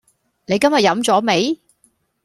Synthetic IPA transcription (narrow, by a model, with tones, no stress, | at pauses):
ne˨˧jkɐ˥mjɐ˨t̚jɐ˨˥mt͡sɔː˨˥me˨˧˥j